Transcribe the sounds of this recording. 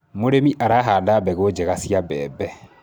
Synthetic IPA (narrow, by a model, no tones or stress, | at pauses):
moɾemiʔaɾaɦaːdabɛɣod͡ʒɛɣasiabɛ̰ːbɛ